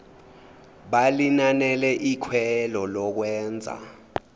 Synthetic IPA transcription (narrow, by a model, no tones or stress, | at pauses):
ɓalinanɛlɛʔikʰwɛlɔlɔk̬wɛːnd͡zʱa̰